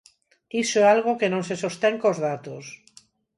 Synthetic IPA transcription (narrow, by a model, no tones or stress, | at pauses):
isoɛalɣ̞okenõŋsesost̪eŋkozðat̪os